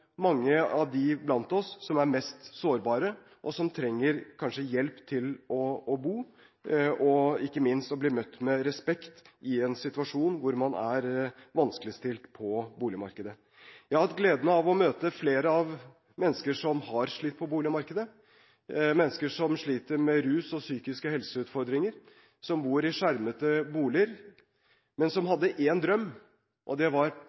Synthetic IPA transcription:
mɑŋːəɑʋd̪ɪblɑnt̪ɔsːɔmæɾmɛst̪soːɾbɑːɾə | ʔɔsɔmt̪ʰɾɛŋːəɾkʰɑnʂəjɛlpt̪ʰɪlɔːbuː | ɔɪkːəmɪnst̪ɔbliːmœt̪ːmɛɾɛspɛkt̪ɪɛnsɪt̪ʉɑʂuːnʋʊɾmɑnæ̰ɾʋɑnskəlɪst̪ɪlt̪pʰɔbuːlɪəmɑ̰ɾkəd̪ə | jæhɑt̪ɡleːd̪ənəɑʋɔmøːt̪əfleːɾəɑʋ | mɛnːskəʂɔmhɑɾʂɭit̪ːpʰɔbuːlɪəmɑɾkəd̪ə | mɛnːəskəʂɔmʂɭiːt̪əɾmɛɾʉːsɔsyːkɪskəhɛlsəʉːt̪fɔɾd̪ɾɪŋəɾ | sɔmbuːɾɪʂæɾmət̪əbuːlɪəɾ | mɛnsɔmɦɑd̪ːəʔeːnd̪ɾœmː | ʔɔd̪ɛʋɑɾ

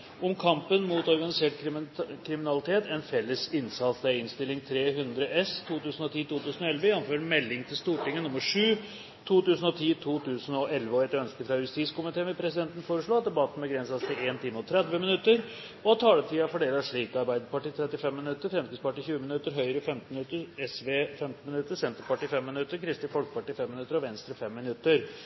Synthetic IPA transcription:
ʊmkʰɑmpənmuːt̪ɔɾɡɑnɪseːʈkʰɾɪmɪnɑlɪt̪ʰeːt̪ɛnfɛlːəsɪnsɑt̪sd̪æɪnst̪ɪlːɪŋt̪ʰɾeːɦʉnd̪ɾəʔɛst̪ʰuːt̪ʉːsənɔt̪ʰiːt̪uːt̪ʉːsən̩ɔɛlʋəjɛnːʊmføːɾmɛlːɪŋt̪ʰɪlst̪uːʈɪŋːənnʊmːəʂʉː | t̪ʰuːt̪ʉːsn̩ɔt̪ʰiːt̪ʰuːt̪ʰʉːsənɔʔɛlʋəɔɛt̪œnskəfɾɑjʉst̪iːskʊmɪt̪ʰeːənmʋɛpʰɾɛsɪd̪ɛnt̪ən̩foːɾəʂɭoːɑt̪̚d̪ɛbɑt̪ːən̩bɛɡɾɛnsɑst̪ɪleːnt̪ʰɪmːəɔt̪ʰɾɛd̪ʋəmɪnʉt̪ːəɾ | ɔɑt̪ʰɑːlət̪ʰiːɑfɔɖeːlɑʂɭiːkəɑɾbæɪd̪əpɑʈiːt̪ʰɾɛt̪ːɪfɛmːɪnʉt̪ːəɾfɾɛmskɪspɑʈːiːçʉːəmɪnʉt̪ːəɾɦœʏəɾəfɛmt̪n̩mnʉt̪ːəɾɛsʋeːfɛmt̪n̩mɪnʉt̪ːəsɛnt̪əɾpʰɑʈiːfɛmːɪnʉt̪ːəɾkʰɾɪst̪ɪːfɔlkəpɑʈiːfɛmːɪnʉt̪ːəɾɔʋɛnst̪ɾəfɛmːɪnʉt̪ːəɾ

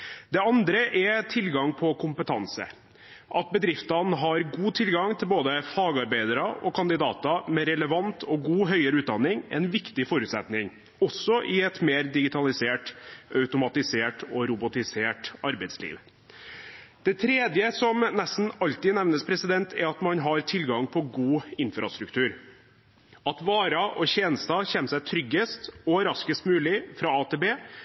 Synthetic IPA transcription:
d̪ɛɑnd̪ɾəʔɛt̪ʰɪlɡɑŋpʰɔkʰʊmpət̪ʰɑnsə̰ | ʔɑt̪̚bəd̪ɾɪft̪ɑnɦɑɾɡuːt̪ʰɪlɡɑŋt̪ʰɪlboːd̪əfɑːɡɑɾbæɪd̪əɾɑʔɔkʰɑnd̪ɪd̪ɑ̰ːt̪ɑmɛɾɛləʋɑnt̪ʰɔɡuːɦœʏəɾʉːt̪̚d̪ɑnːɪŋɛ̰nʋɪkt̪ɪfɔɾʉːt̪sɛt̪nɪŋ | ɔsːɔʔɪɛt̪meːɾd̪ɪɡɪt̪ʰɑlɪseːʈɑʉt̪ʊmɑt̪ɪseːʈɔɾʊbʊt̪ɪseːʈɑɾbɛɪd̪slḭːʋ | d̪̥ɛt̪ʰɾeːd̪jəsɔmnɛst̪n̩ɑlt̪ɪnɛʋnəspʰɾɛsɪd̪ɛnt̪ʰɛ̰ɾɑt̪mɑnɦɑɾt̪ʰɪlɡɑŋpʰɔɡuːɪnfɾʔɑ̰st̪ɾʉkt̪ʰʉːɾ | ɑt̪ʋɑːɾɑʔɔɕeːnəst̪ɑçɛnəsæɪt̪ʰɾʏɡːəst̪ɔɾɑskəst̪mʉːlɪfɾɑɑt̪ʰeːbeː

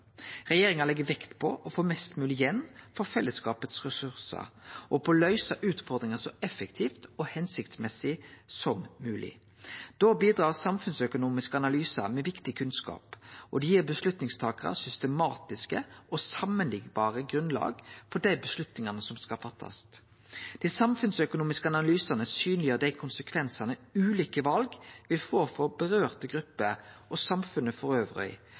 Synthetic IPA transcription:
ʁɛjeːɾɪŋɑlɛɡːəʋɛkt̪pʰɔʔɔfoːmɛst̪mʉːlɪjɛnːfɔɾfɛlːəskɑːpət̪sʁɛsʉɾsə̰ɾʔɔpʰɔlœʏsɑʔʉːt̪fɔɾd̪ɾɪŋəsɔɛfːɛkt̪ʰiːft̪ɔhɛnsɪkt̪smɛsɪsɔmmʉːlʔɪ̰ | d̪̥obiːd̪ɾɑːʁsɑmfʉnsœkʊnuːmɪskəɑnɑlyːsə̰ɾmɛʋɪkt̪ɪkʰʉnskɑ̰ːpʔɔd̪ɛjiːbəslʉt̪nɪŋst̪ʰɑːkʁɑ̰sʏst̪əmɑːt̪ɪskəʔɔsɑmːənlɪɡbɑːʁəɡɾʉnlɑ̰ːɡfɔd̪æɪbəslʉt̪nɪŋɑnəsɔmskɑlfɑt̪ʰːɑ̰st̪ | d̪̥isɑmfʉnsœkʊnuːmɪskəɑnɑlyːsɑnəsyːnlɪjøːd̪æɪkʰʊnsəkʰʋɛnsɑnəʉːliːkəʋɑlɡʋɪlfoːfɔbəʁøːʁt̪əɡɾʉpːəʔɔsɑmfʉnəfɔɾøːʋʁœ̰ɪ

